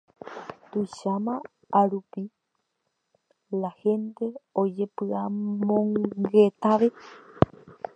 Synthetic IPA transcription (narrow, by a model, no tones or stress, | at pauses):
t̪ujʃamã | aɾupi | lahe̞nt̪e̞od͡ʒe̞pɨamõŋɡe̞t̪aʋe